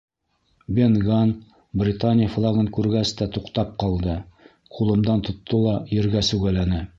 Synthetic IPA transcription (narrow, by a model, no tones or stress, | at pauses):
bʲenɡan | brʲɪt̪anʲɪjflˠaɡɤŋkʉɾɡæst̪æt̪uqt̪ɑp̚qɑlˠd̪ɤ | qulˠɤ̆md̪ɑnt̪ŏt̪ʰːɤlˠɑjɘ̆ɾɡæsʉɡælænɘ